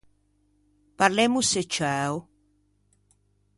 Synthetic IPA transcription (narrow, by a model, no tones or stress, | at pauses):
paɾlemuset͡ʃaw